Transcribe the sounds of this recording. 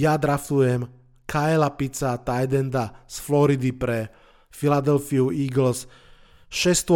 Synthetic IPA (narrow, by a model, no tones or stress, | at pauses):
jad̪ɾafujɛm | kʰaɛlapit͡sat̪ajd̪ɛnd̪asflɔɾid̪ipɾɛ | filad̪ɛlfiuiːɡl̩s | ʃɛst̪u